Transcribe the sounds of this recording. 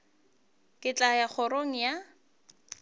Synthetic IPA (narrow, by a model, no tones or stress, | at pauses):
kʼɪt͡ɬʼajak͡xʰɔɾoŋ̩ja